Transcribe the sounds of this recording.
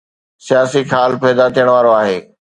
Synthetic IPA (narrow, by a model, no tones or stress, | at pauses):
sijaːsixʰaːlpɛːd̪at̪ijəɽ̃ʋaːɾoaːɦeː